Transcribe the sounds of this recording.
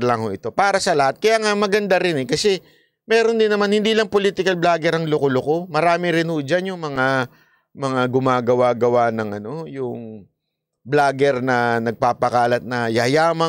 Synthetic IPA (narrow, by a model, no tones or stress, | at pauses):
lɐŋhoʔɪt̪o̞paːɾɐsɐlɐhat̪̚kɐjaːŋamɐɡɐnd̪aɾɪnɛkɐsɛ | mɛːɾond̪ɪnːɐmanhɪnd̪iːlɐŋpoliːt̪ɪkɐlblaːɡɛɾɐŋlʊkolʊko̞mɐɾaːmɪɾɪnhod͡ʒanjʊŋmɐŋa | mɐŋaɡʊmaːɡɐwaːɡɐwanɐŋʔɐno̞jʊŋ | blaːɡɛɾnɐnɐɡ̚paːpɐkaːlɐt̪̚nɐjɐjaːmɐ